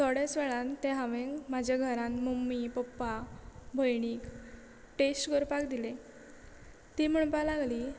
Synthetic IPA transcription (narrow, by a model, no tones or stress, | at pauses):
t̪ɔɽjesʋɛɭãnt̪ɛ̃ɦãʋẽŋɡmad͡ʑʱaɡʱəɾãnmumːipɔpːabʱəjɳ̃iːk | ʈesʈkəɾpakd̪ile | t̪im̤əɳpalaɡli